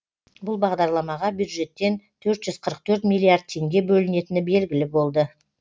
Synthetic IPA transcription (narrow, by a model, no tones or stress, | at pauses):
bʊlˠbɑʁd̪ɑɾlˠɑmɑʁɑbjud̪ʒe̞t̪ːe̞nt̪ʰɵɾt̪ʒ̥ʏz̥qʰəɾəq̚t̪ʰɵɾt̪mijlʲːijaɾd̪̚t̪ʰe̞ŋɡʲe̞bɵlɪne̞t̪ɪnɪbe̞lɡʲɪlɪbo̞lˠd̪ə